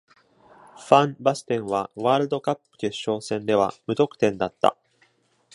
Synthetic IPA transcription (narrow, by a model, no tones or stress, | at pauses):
ɸãmbasɨ̥t̪ẽ̞ɰ̃βaβaːɾɯ̟d̪o̞kapːɯ̟̥keɕːo̞ːsẽ̞nd̪e̞βa̰mɯ̟t̪o̞kɯ̟̥t̪ẽ̞nd̪at̪ːa̰